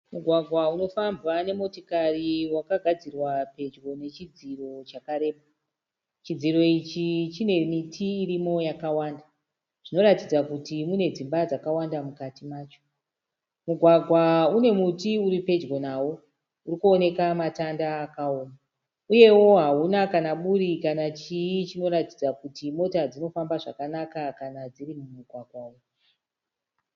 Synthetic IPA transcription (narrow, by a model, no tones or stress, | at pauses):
muɡʱwaɡʱwauno̞fambwane̞mo̞tokariwakaɡʱad͡zirwape̞d͡ʒɡo̞ne̞t͡ʃid͡ziro̞t͡ʃakaɾe̞ːɓa | t͡ʃid͡ziɾo̞it͡ʃit͡ʃine̞mitʰiːrimo̞jakawaːnda | ʐ̥ino̞ɾatid͡zakutimune̞d͡zimbad͡zakawandamukatimaːt͡ʃo̥ | muɡʱwaɡʱwaune̞mutiuɾipe̞d͡ʒɡonaːwo̞ | urikuone̞kamatandaːkaoːma | uje̞wo̞ɦaunakanaɓuɾikanat͡ʃijit͡ʃino̞ɾatid͡zakutimo̞tad͡zino̞fambaʐa̰kanakakanad͡zirimumuɡʱwaɡʱwau